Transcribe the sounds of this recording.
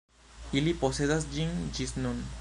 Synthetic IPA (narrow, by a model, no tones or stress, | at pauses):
iliposed̪as̬d͡ʒiŋd͡ʒisnun